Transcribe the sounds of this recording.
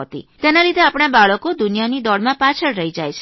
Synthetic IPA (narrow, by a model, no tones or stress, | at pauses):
t̪ḭt̪enalid̪ʱeapɽ̃abaɭəkod̪unijanid̪ɔɭmãpat͡ʃʰəɭɾəɦid͡ʒajt͡ʃʰ